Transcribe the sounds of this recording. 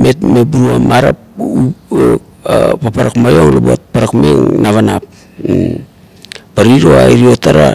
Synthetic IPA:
metmebuɾuamaɾa̰p̚u | papaɾakmajo̞ŋlobot̚paɾakmḛŋnaβanap | paɾiɾoa̰iɾio̞taɾa̰

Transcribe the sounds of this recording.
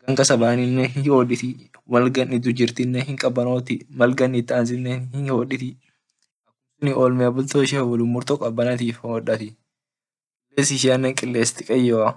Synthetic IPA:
ɡ̥ɐŋkɐsɐbaːnɪnːɛhɪhoːᶑɪt̪ɪmɐlɡɐnɪd̪ʊd͡ʒɪɾt̪ɪnːɛhɪŋkʼɐbɐnoːt̪ɪmɐlɡɐnːɪt̪ːɐɐns̬ɪnːenhɪhoːᶑɪt̪ɪ | ɐkːʊmsʊnɪʔoːlmɪɐbʊlt̪oɪʃɛɐwɐlʊmːʊɾt̪okʼɐbːɐnɐt̪iːfɔᶑɐt̪ɪ | k | ɪlːeːsɪʃ̬ɪɐnːɛŋkʼɪlːeːst̪ɪkʼɐjːoːɐ

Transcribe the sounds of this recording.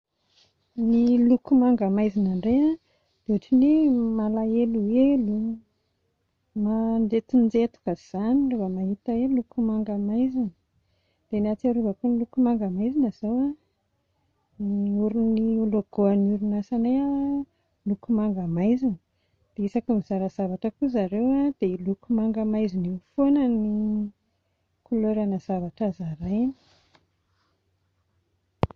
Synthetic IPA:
nilukumaŋɡamajzinaɳɖ͡ʐea | d̪̥uʈ͡ʂinemalaeluelu | manɖ͡ʐet̪ind͡zet̪u̥kəz̥anilovamaɦit̪aelukumaŋɡamajzini̥ | d̪̥enat͡saɾuvəkunilukumaŋɡəmajzinəz̥awa | nuɾiniuloɡ̥oanuɾunasanea | lukumaŋɡamajzinə | d̪̥eisakimiz̥aɾaz̥avaʈ͡ʂəkuzaɾewad̪̥elukumaŋɡəmajzinewfonəni | kuloɾanəz̥avaʈ͡ʂazaɾajni̥

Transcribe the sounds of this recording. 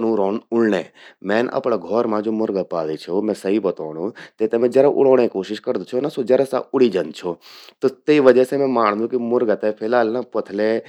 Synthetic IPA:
nũːɾoːnʊlnḛːmɛ̃ːnʔɐ̰pɽaːɡʱɔːɾmãːd͡ʒoːmʊɾɡapaːlit͡ʃʰomɛ̃ːsəɦibɐt̪oːnũːt̪eːt̪emẽːd͡ʒɐɾaʔʊ̰ɽoːɳ̃ekoːʃɪʃkəɾd̪ot͡ʃʰonasod͡ʒɐɾasa̰ʊɽiːd͡ʒənt͡ʃʰot̪ot̪eiʋəd͡ʒəsemɛ̃ːmaːɳ̃d̪ũːkimʊɾɡət̪epʰɪlaːlnapɐt̪ʰle

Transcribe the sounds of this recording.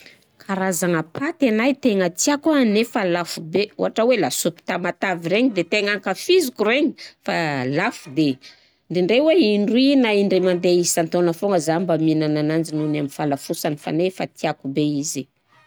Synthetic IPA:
kʰaɾazaŋəpʰat̪anajt̪eŋət̪iakuanefalafubeṵɦaʈ͡ʂəwelasupi̥t̪amat̪aviɾeɲid̪et̪eŋaŋkafizikuɾeɲi̥falafud̪e | ɳɖ͡ʐiɳɖ͡ʐeweiɳɖ͡ʐuwinaiɳɖ͡ʐemand̪eisant̪onəfoŋəzambaminananand͡ʒinunamifalafusanifa̰nefat̪iakubeizi

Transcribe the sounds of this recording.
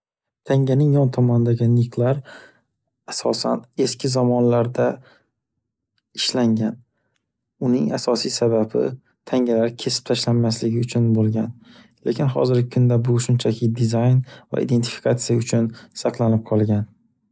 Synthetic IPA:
t̪ʰaŋɡʲanɪŋjɒnt̪ʰɒmɒnɪd̪aɡʲɪnɪqʰlˠaɾ | asɒsa̰ne̞skʲʰɪzɒmɒnlaɾd̪a | ɪʃlaŋɡʲan | ʊnɪŋasɒsijsababɪ̰ | t̪ʰaŋɡʲalaɾkʲʰe̞sɪ̥p̚t̪ʰaʃlanmaslɪɡʲɪʊt͡ʃʰʊnbolˠɡʲan | lekʲɪnχɒ̰zɪɾɡʲɪkʰʊnd̪abʊʃʊnt͡ʃʰakʰʲɪd̪ɪzajnva̰ʔḭd̪e̞nt̪ʰɪ̥fi̥kʰat̪sijaʊt͡ʃʰʊnsɑqʰlˠanɪp̚qʰɒlˠɡʲan

